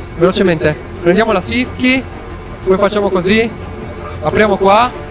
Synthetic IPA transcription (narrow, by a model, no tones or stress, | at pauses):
velot͡ʃement̪e | pɾend̪jamolasikːi | pojfat͡ʃːaːmokozi | apɾjaːmokwa